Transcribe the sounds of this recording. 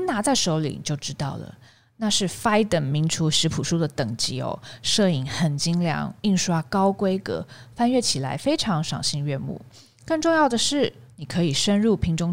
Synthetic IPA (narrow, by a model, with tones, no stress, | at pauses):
na˧˥t͡sa˥˩ɪʂo˧˥ʊlḭ˨˩˨t͡ɕjo˥˩ʊʈ͡ʂɻ̩˥t̪ɑ˥˩ʊlə̰˩ | na˥˧ʂɻ̩˥˩fa˥ɪt̪ə˨˩nmi˧˥ŋʈ͡ʂʰu˧˥ʂɻ̩˧˥pʰu˨˩ʂu˥d̪ə˨t̪ɤ˨˩ŋt͡ɕi˧˥o̰˧˩ʂɤ˥˩i˧˩ŋxə˨˩nt͡ɕi˥ŋljɑ̰˧˥ŋi˥˩ŋʂwa˥kɑ˥ʊkwe˥ɪkɤ̰˧˦fa˥˧nɥɛ˥˩t͡ɕʰi˨˩la̰˧˥ɪfe˥ɪʈ͡ʂʰɑ˧˥ŋʂɑ˨˩ŋɕi˥˧ŋɥɛ˥˧mṵ˥˩ | kɤ˥˧ŋʈ͡ʂʊ˥˧ŋjɑ˥˩ʊd̪ə˩ʂɻ̩˥˩ni˨˩kʰɤ˧˥i˨˩ʂə˥nɻu˥˩pʰi˧˥ŋʈ͡ʂʊ˥ŋ